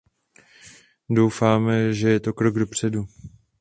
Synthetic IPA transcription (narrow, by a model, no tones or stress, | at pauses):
do̞wfaːmɛʒɛjɛt̪o̞kɾo̞ɡdo̞pr̝̥ɛdu